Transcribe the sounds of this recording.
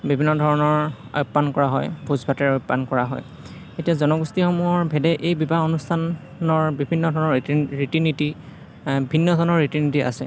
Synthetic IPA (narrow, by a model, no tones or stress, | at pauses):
bibʱinːɔdʱɔɹɔnɔɹ | a̰jupːankɔɹaɦɔjbʱuzbʱatɛɹɔupːankɔɹaɦɔ̰j | etijazɔnɔɡustixɔmuɔɹbʱɛdɛʔejbibaonustʰanː | ɔɹbibʱinːɔdʱɔɹnɔɹitiniti | bʱinːɔdʱɔnɔɹɹitinitia̰sɛ̰